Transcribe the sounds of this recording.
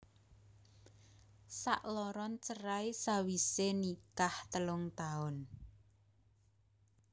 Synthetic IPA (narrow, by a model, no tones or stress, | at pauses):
saʔlɔɾɔnt͡ʃəɾajsawisenikaht̪əlʊŋt̪aʊn